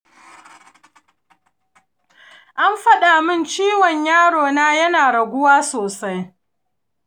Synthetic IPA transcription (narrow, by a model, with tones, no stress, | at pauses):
ʔa˦mɸɐ˦ɗa˨mɪ˦˨nt͡ʃiː˦wɔ˨ɲjaː˦ɽoː˨naː˦jɐ˦naː˨ɽɐ˨ɡʷʊ˦waː˦soː˨sa˦j